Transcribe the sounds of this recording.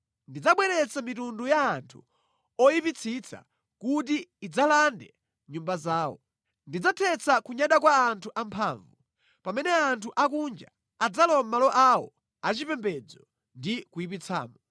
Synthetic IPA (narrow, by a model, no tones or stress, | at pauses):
ndid͡zaɓwɛɾɛt͡samitundujaːntʰṵ | ɔjipit͡sʰit͡sʰa̰ | kut̬iːd͡zalandɛ | ɲumbazaːwɔ̰ | ndid͡zatʰɛt͡sʰakuɲaɗak̬waːntʰuʔampʰa̰ːɱvu | pamɛnɛantʰuʔakund͡ʒa̰ː | d͡zalɔmalɔʔawɔ̰ | at͡ʃipɛmbɛd͡zɔ | ndikujip̬it͡sʰa̰ːmɔ